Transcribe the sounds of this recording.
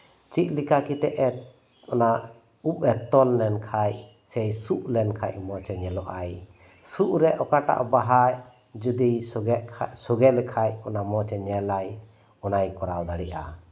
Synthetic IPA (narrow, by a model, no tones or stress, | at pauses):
t͡ʃic̪̚likakit̪ɛʔɛt̪ | ɔna | upɛt̪ɔlnɛnkʰaj | sɛjsuʔlɛnkʰa̰c̚mɔt͡ʃɛɲɛlɔʔaj | suʔɾɛʔɔkaʈa̰ʔbaɦaj | d͡ʒud̪i | suɡɛlɛkʰajɔnamɔt͡ʃɛɲɛlaj | ɔnajkɔɾawd̪aɽiʔa̰